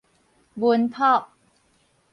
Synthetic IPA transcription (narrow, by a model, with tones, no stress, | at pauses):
bu˧ənpʰɔː˥˩p̚